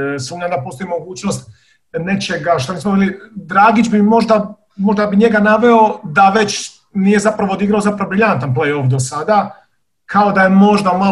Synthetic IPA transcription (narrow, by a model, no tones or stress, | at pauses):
suːmɲad̪apo̞ːst̪o̞imo̞ɡuːt͡ɕno̞st̪̚ | ne̞t͡ʃe̞ɡaʃt̪oniːsmobiːlid̪ɾaːɡid͡ʑbimo̞ʒd̪a | mo̞ʒd̪abiɲe̞ɡanaʋeo̞d̪aʋe̞t͡ɕ | nije̞zapɾaʋod̪iɡɾaozapɾaʋobɾiʎant̪anplejofd̪o̞sad̪a | kʰaod̪aje̞mo̞ʒd̪ama